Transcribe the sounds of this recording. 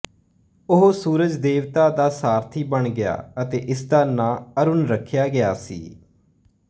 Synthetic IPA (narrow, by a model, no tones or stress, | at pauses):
ʊɦosuːɾəd͡ʒd̪eːʋt̪aːd̪aːsaːɾt̪ʰiːbəɳɡɪja̰ːət̪eːʔɪsd̪aːnaːəɾʊnɾəkʰːjaːɡɪjaːsḭː